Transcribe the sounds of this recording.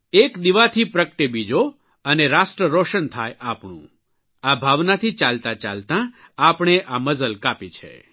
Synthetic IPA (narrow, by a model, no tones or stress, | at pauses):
ekd̪iʋat̪ʰipɾəkəʈebid͡ʒo | əneɾasʈɾəɾɔʃənt̪ʰajʔapɳ̃ṵ̃ | abʱaʋnat̪ʰit͡ʃalt̪ãt͡ʃa̰lt̪ã | apɳ̃eʔaməzəlkapit͡ʃʰḛ